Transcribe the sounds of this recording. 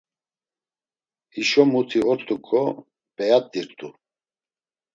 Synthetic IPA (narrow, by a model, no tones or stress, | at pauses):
iʃɔmut̪ʰiɔt̪t̪ʼukʰʼɔ | pʼɛjat̪ʼːiɾt̪ʼu